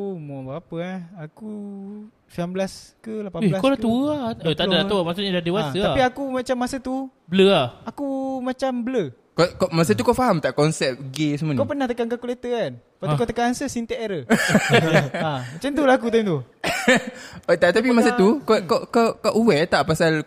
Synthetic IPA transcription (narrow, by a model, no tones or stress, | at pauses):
mɔbaapəaaku | siambəlaskəlapaelakolauəaot̪adalauamas̬uɲadadewasəapiakumat͡ʃamːasət̪u | bələaakumat͡ʃambələ | kokomasət̪ukafaɦamt̪aʔkɔnsɛp̚ɡesəmakawpənaht̪əkankakulet̪əan | paukot̪əkanansəsint̪əʔeɾə | amat͡ʃant̪ulaakut̪amt̪u | ot̪aʔt̪ap̬imasət̪ukokokakaʔuwɛt̪aʔpasal